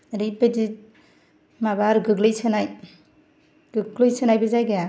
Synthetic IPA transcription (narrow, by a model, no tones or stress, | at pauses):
ɾɯjpedi | maβaɾɡɯɡlɯjsɯnaj | ɡ̥ɯɡlɯjsɯnajbɯzajɡaa